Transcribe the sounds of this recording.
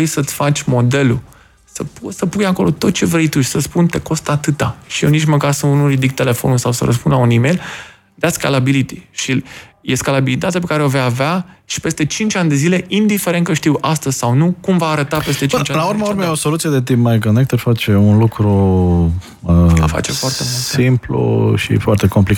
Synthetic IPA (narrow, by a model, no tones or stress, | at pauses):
ejsət̪sʲfat͡ʃʲmo̞d̪e̞lu | səpusəpujako̞lo̞t̪o̞t̪̚t͡ʃe̞vɾe̞jt̪uʃi̥səspunt̪e̞ko̞st̪at̪ɨt̪aʃijewnit͡ʃməkarsəunuɾid̪ik̚t̪e̞le̞fo̞nulsawsə̰ɾə̰spunlaunime̞jl | d̪aska̰labilit̪iʃijeskalabilit̪at̪eap̬e̞kaɾeovejaveaʃi̥pe̞st̪e̞t͡ʃint͡ʃʲanʲd̪e̞zile̞ʔind̪ife̞ɾe̞nt̪kəʃt̪iwʔast̪əzʲsawnukumvaːɾət̪ape̞st̪e̞t͡ʃint͡ʃalauɾmauɾmejeosolut̪sijed̪et̪impmajkonek̚t̪əfat͡ʃeunlukɾu | əfa̰t͡ʃe̞foart̪e̞multsimplṵʃḭfoart̪e̞ko̞mplika